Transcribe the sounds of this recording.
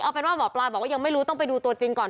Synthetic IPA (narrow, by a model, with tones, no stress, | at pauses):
ʔa˧˩pe˧nwaː˥˩ɔː˨˦plaː˧bɔː˨˩k̚waː˥˩a˧ŋma˥˩ɾu˦˥t̪ɔ˥˩ŋpa˧jduː˧t̪u˧ɐt͡ɕi˧ŋkɔː˨˩n